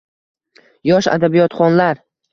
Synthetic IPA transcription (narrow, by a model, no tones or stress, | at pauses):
jɒʃa̰d̪abijɒt̪χɒnlaɾ